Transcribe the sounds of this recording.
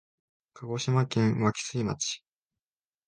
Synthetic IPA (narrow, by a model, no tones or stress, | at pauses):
kʰaɡo̞ɕimakẽ̞ɰ̃βakʲi̥sɨima̰t͡ɕi̥